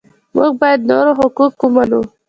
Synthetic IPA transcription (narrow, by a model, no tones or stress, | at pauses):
mṵɡ̚bɑjad̪noɾoɦʊkukːumanu